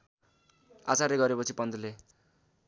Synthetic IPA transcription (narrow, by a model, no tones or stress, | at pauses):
at͡sareɡʌɾepʌt͡sʰipʌnd̪ʌle